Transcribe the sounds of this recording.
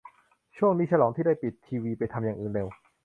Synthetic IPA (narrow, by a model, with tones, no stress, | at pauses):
t͡ɕʰu˥˩əŋniː˦˥t͡ɕʰa˧lɔː˩˦ŋt̪ʰiː˥˩daː˥˩jpi˨˩t̪ʰːiː˧wiː˧pa˧jt̪ʰa˧mjaː˨˩ŋʔɯː˨˩nde˧w